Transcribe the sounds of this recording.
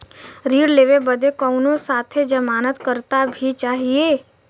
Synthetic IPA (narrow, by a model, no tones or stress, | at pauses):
ɾiːɽleːʋebəd̪ekɔʊnõsaːt̪ʰed͡ʒəmaːnət̪kəɾt̪abʱit͡ʃaːɦieː